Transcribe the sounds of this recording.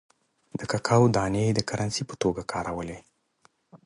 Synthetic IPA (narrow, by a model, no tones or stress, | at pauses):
d̪̥əkakʰɑwd̪ɑned̪əkaɾʔansipə̥t̪oɡakʰɑɾawəle